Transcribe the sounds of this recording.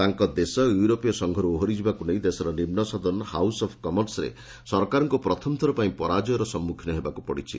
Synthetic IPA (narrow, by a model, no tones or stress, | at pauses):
t̪aŋkɔd̪esɔjuɾopijɔsɔŋɡʱɔɾuoɦɔɾid͡ʒʰʱibakuneĩd̪esɔɾɔnimnɔsɔd̪ɔnɔha̰wsɔpʰkɔmɔɾsɔɾḛ | sɔɾkaɾɔŋkupɾɔt̪ʰɔmt̪ʰɔɾɔpaĩpɔɾad͡ʒɔjɔɾɔsɔmːukʰinɔɦebakupɔɽit͡ʃʰḭ